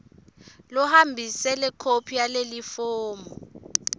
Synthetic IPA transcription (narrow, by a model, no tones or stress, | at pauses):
lɔhambʱisɛlɛkʰopʰijalelifoːmɔ